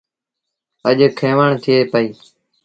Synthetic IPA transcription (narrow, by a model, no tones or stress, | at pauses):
əʄkʰeːʋəɳt̪ʰɪeːpəiː